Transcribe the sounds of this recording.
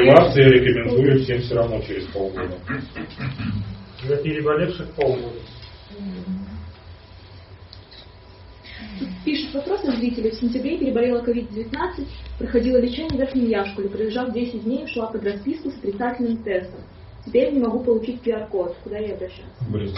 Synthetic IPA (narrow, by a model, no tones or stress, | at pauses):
ɪvat̪sɨjəɾʲɪkəmʲɪnd̪ujʊfsʲemfsʲoɾɐvnot͡ɕɪɾʲɪspolˠɡod̪ə | ɛpʲɪɾʲɪbɐlʲefʂɨxpolˠɡod̪ʊ | pʲiʂɨt̪vɐpɾo̞sɨzɾʲitʲɪlʲɪfsʲɪnʲtʲɪbɾʲepʲɪɾʲɪbɐlʲelˠəkɐvʲid̪̚dʲɪvʲɪt̪nat̪sɨtʲpɾəxɐdʲilˠəlʲɪt͡ɕenʲɪəvʲerxnʲɪmjaʂkʊlʲɪpɾʲɪlʲɪʐafdʲesʲɪt̚ʲdʲnʲejʂlˠapəd̪rɐspʲiskʊsə̥t̪ɾʲɪt̪satʲɪlʲnɨmt̪ɛst̪əm | tʲɪpʲeɾjʲnʲɪmɐɡupəlˠʊt͡ɕitʲpʲɪɐrkot̪kʊd̪ajejɐbɾɐɕːa̰t̪sbʲ